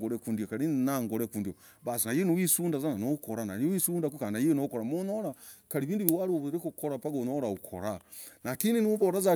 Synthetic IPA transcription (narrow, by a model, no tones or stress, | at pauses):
ɡoɾekundiokaɾinaŋɡoɾekundio | βasinajenowisuːndazananokoɾanaiwisuːndakukanajenokoɾamonoɾakaɾiβiːnduβiwaɾuβɾikukoɾapaɡonoɾaukʰo̰ɾanakininuvoɾaza